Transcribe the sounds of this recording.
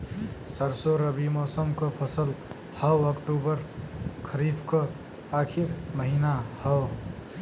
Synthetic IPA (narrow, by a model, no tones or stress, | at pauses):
səɾsoɾəbimɔsəmkʌpʰəsəl | həwəkʈubəɾkʰəɾibʰkʌ | akʰiɾməɦinahəw